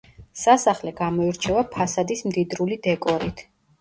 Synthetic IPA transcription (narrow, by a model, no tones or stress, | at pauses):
sasaχlɛɡamɔiɾt͡ʃʰɛvapʰasad̪ismd̪id̪ɾulid̪ɛkʼɔɾit̪ʰ